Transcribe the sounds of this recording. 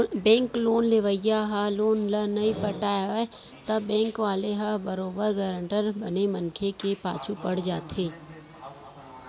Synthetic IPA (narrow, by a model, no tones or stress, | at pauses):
bɛ̃ːŋkloːnleʋəɪjaɦaloːnlɐnɐĩpɐʈaːjae | t̪ɐbɛ̃ːŋkʋaːleɦabɐɾoːbəɾɡəɾə̃ɳʈəɾbɐnemɐnkʰekepa̰ːt͡ʃʰupɐɽ̤d͡ʒa̰ːt̪ʰeː